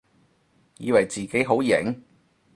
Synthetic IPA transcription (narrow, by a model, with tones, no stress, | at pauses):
jḭː˨˧wɐ˨˩jt͡siː˨ke˨˥jɦo˨˥wjɪ˨˩ŋ